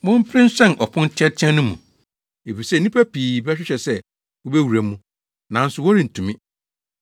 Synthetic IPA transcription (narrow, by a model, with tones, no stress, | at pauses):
mʊ̃˦m̩˦pʰɾɪ̃˦n̩˦ɕᶣɛ̃˦˨nʔɔ˨pʰʊ̃˦n̩˦tʰɪ˦ɛ˦tʰɛ̃˦nʊ̃˦mũ˨ | e˨fi˨sɛ˦˨nĩ˦pʰæ˦pʰiː˨bɛ˦ɕᶣɪ˦ɕɛ˨sɛ˦ | wo˦bæ˦wu˨ɾæ˨mũ˦ | nã˨˦n̩˦sʊ˨wɔ˦ɾi˨n̩˨tʰũ˨mĩ˦